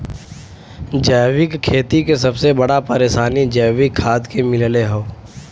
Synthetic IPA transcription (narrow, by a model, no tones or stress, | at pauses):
d͡ʒɛːʋɪkkʰːeːt̪ikes̬ɐbsebɐɽapəɾeːʃaːnid͡ʒɛːʋɪkʰːaːt̪kemɪlleɦoː